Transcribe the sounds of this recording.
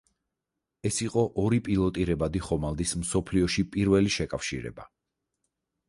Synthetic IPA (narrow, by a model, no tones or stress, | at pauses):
ɛsiqʼɔʔɔɾipʼilˠɔt̪ʼiɾɛbad̪iχɔmalˠd̪ismsɔpʰliɔʃipʼiɾvɛliʃɛkʼafʃḭɾɛ̰ba̰